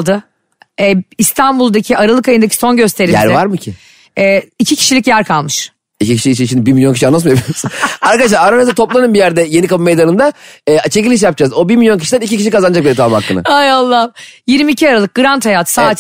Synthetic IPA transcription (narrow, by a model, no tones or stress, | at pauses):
d̪ɯ | ɛist̪ʰanbulˠd̪acʰiaɾalˠɯkajɯnd̪acʰi̥so̞nɟø̞st̪ʰeɾijæ̰ɾvaɾmɯcʰɪ | ɛːicʰicʰi̥ʃilʲicjæɾkʰalˠmɯʃ | icicʰiʃiʃiʃimd̪ibimilʲjocʰiʃianasmajabpilʲijosɯnaɾkad̪aʃlaɾaɾanazat̪ʰo̞plˠanɯnbijæɾd̪ɛje̞nikabɯmejd̪anɯnd̪aɛːat͡ʃʰecilʲiʃ̬jap̚d͡ʒazo̞biɾmilʲjo̞ncʰiʃid̪ænicic̬iʃʲikazanɯd͡ʒak̚beɾɛt̪ʰamhakːɯ̰nɯ̰ajalˠːajiɾmiːcʰiaɾalˠɯk̚ɡɯɾant̪hajaːt̪saːt̪